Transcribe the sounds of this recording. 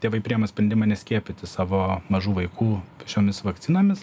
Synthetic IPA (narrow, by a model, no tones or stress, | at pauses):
t̪ʲeːʋɐɪpʲɾʲijɛmɐsʲpʲɾʲɛnd̪ʲɪmɑːnʲɛsʲkʲiɛpʲɪt̪ʲɪsɑːʋoːmɐʒuːʋɐɪkuːʃʲoːmʲɪsʋɐkt̪sʲɪnoːmʲɪs